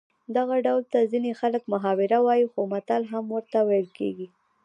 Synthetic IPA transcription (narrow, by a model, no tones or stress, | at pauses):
d̪aɣaɖawlt̪azinexaləkmaɦɑwɪɾawɑjixomat̪alɦamwəɾt̪awejlkḛɡi